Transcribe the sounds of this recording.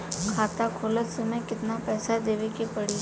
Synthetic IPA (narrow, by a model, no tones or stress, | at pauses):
kʰaːt̪akʰoːlət̪semɛ̃kɪt̪napɛːsad̪eːʋekipɐɽiː